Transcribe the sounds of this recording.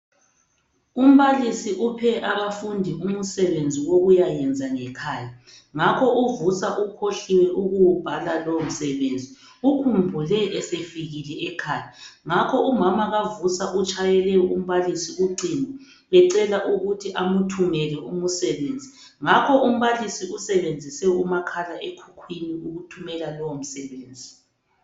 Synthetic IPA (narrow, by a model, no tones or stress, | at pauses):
um̩βalisiʔupʰɛʔaβafundʱium̩sɛβend͡zʱiwoɣujajɛnd͡zʱaŋɛkʰaːja | ŋakʰɔʔuvusaʔukʰoɬiwɛʔuɣuwub̥ʱalalom̩sɛβend͡zʱi | ukʰumbʱulɛɛsefiɣilɛʔɛkʰaːjaŋakʰɔʔumamaɣavusaʔut͡ʃʼajɛlɛum̩βalisiuǃinɛ | βɛǀɛlaʔuɣutʰiʔamutʰumɛlɛʔumusɛβend͡zʱi | ŋakʰɔʔum̩βalisiusɛβend͡zʱisɛumakʰalaʔekʰukʰwiniuɣutʰumɛlalom̩sɛβeːnd͡zʱi